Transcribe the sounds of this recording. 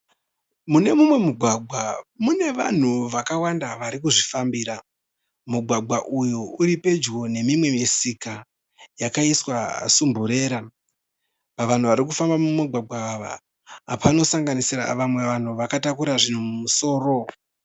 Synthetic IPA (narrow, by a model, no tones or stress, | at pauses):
mune̞mumwe̞muɡʱwaɡ͡bʱwamune̞ʋa̰n̤uʋakawandaʋaɾikuʐifambiɾa | muɡʱwaɡ͡bʱwaʔujouɾipe̞d͡ʒɡo̞ne̞mimwe̞mesika | jakaiswa̰sumbuɾe̞ːɾa | paʋan̤uʋaɾikufambamumaɡʱwaɡ͡bʱwaːʋa̰ː | pʰano̞saŋɡanisira̰ʋamwe̞ʋan̤uʋakatakuɾaʐin̤umumuso̞ːro̞